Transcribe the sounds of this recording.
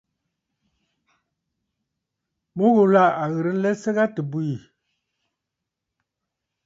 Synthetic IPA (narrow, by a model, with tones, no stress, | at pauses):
mo˦ɣo˨la˦˨a˨ɣə˨ɾə˦n̩˦lɛ˦sə˦ɣa˦tə˨bu˦˨i˨